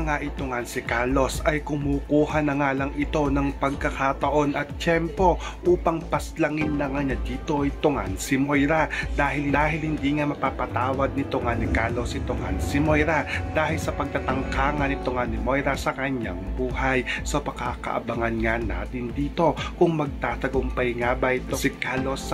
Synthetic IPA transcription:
ɐŋaʔɪt̪ʊŋansɪkalo̞sɐjkʊmuːkuːhɐnɐŋaːlɐŋʔɪt̪o̞nɐŋpɐɡ̚kɐkat̪ɐʔo̞nʔɐt̪̚t͡ʃɛmpo̞ | ʔuːpɐŋpɐslɐŋɪnlɐŋaɲad̪iːt̪o̞ʔɛjt̪ʊŋa̰nsɪmojɾad̪aːhɪlhd̪aːɦɪlhɪnd̪iːŋamɐpaːpɐt̪aːwɐd̪̚nɪt̪ʊŋanɪkaːlo̞sɪt̪ʊŋa̰nsɪmojɾad̪aːhɪlsɐpɐɡ̚t̪at̪ɐŋkaːŋɐnɪt̪ʊŋanɪmo̞jɾɐsɐkɐɲa̰ŋbuːhɐjsɐpɐkaːkɐ̰ʔɐ̰bɐŋɐnŋana̰ːt̪ɪnd̪iːt̪o̞kʊŋmɐɡ̚t̪aːt̪ɐɡʊmpɐjŋabɐɪt̪osɪkaːlos

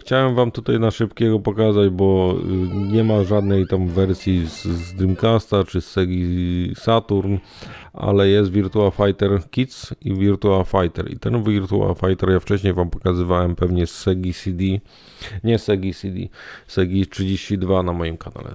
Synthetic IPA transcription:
xt͡ɕawɛmvamt̪ut̪ajnaʂɘpkʲɛɡɔpɔkazad͡ʑbɔ | ɲɛmaʐad̪nɛjt̪amvɛɾsʲjizzd̪ɾimkast̪at͡ʂɘsɛɡʲisat̪uɾn | ʔa̰lɛjɛst̪vʲiɾt̪uafajt̪ɛɾkʲit̪sivʲiɾt̪uafajt̪ɛ̰ɾḭt̪ɛnvʲiɾt̪ua̰fajt̪ɛɾjaft͡ʂɛɕɲejvampɔ̥kazɘvawɛmpɛvɲɛsːɛɡʲisʲid̪ʲi | ɲɛsɛɡʲisʲid̪ʲḭsɛɡʲistʂɘd͡ʑeɕt͡ɕid̪vanamɔjimkana̰lɛ̰

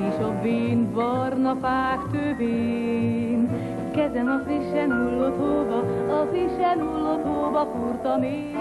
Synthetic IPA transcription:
eʃɒbeːnbɒrnɒpaːkt̪øːveː | n | kɛzɛnɒziʃɛnulːot̪oːbɒːziʃɛnulːot̪ɦoːbɒkurt̪ɒme

